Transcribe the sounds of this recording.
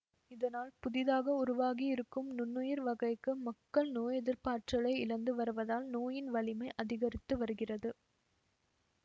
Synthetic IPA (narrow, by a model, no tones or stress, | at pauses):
ɪðɐnaːlpʊðɪðaːɣɐʊɾʊʋaːɣiɪɾɯkːɯmnʊnːʊjɪɾʋɐɣɐɪkːɯmɐkːɐɭnoːjɛðɪɾpaːʈrɐɭɐɪɪlɐnd̪ɯʋɐɾɯʋɐðaːlnoːjɪnʋɐɭɪmɐɪʔɐðɪɣɐɾɪt̪ːɯʋɐɾɯɣɪrɐðɯ